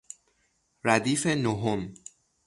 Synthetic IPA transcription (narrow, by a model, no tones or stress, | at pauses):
ɾæd̪iːfe̞noɦom